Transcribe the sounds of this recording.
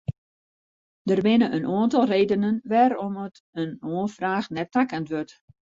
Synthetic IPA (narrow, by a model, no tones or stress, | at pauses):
dərʋɪnəʔənoːəntɔlˠreːdənənʋɛɾɔmət | ənoənfraːxnɛtakəntʋøt